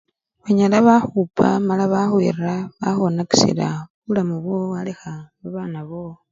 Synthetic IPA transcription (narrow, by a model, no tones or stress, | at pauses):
βaɲalaβaxupa̰malaβaxwḭrraβaxonaki̥sḭla̰βulamuβwoalexaβaβaːnaβo